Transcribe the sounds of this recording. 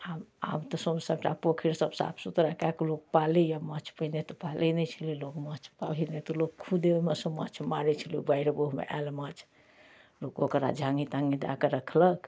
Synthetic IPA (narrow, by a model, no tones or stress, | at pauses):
ama̰mt̪ɔsəbsəbʈapokʰiɾsəbsa̰pʰsut̪ɾakaklok̚palijamət͡ʃʰpəinet̪ɔpalinɛt͡ʃʰəlilokmət͡ʃʰpaɦinet̪ɔlokkʰud̪emesə̃mət͡ʃʰmaɾɛt͡ʃʰəliubaiɾeboɦmḛʔalmət͡ʃʰ | lokokɾa̰d͡ʒʱãŋɡit̪aŋɡid̪a̰keɾəkʰlək